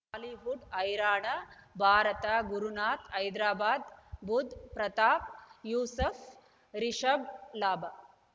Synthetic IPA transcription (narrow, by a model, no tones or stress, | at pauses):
liɦuɖɐjɾaːɳɐbʱaːɾɐt̪aɡuɾunaːt̪ɐjd̪ɾaːbaːd̪bud̪ʱpɾɐt̪aːp̚juːsɐf | ɾiʃɐblaːbʱa